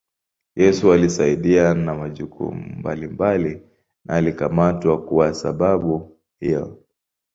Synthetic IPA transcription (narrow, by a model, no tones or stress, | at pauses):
jɛsualisaiɗianamaʄukʰṵmumbalimbali | nʔaːlikamatwakuwasa̰ɓaɓu | hijɔ̰